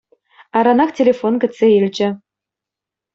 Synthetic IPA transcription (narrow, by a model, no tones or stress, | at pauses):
ɑɾɑnɑχtʲelʲefonɡɘ̆t͡sːeilʲd͡ʑɘ̆